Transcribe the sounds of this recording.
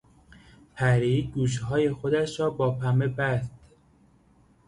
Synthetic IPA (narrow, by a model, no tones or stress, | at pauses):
pʰæɾiːɡuːʃ̬hɒːjexod̪æʃɾɒːbɒːpʰæmebæst̪